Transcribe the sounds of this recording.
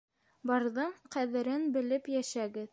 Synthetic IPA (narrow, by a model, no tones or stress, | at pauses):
bɑɾðɤɴqæðɘ̆ɾɘnbɘ̆lɘpjæʃæɡɘð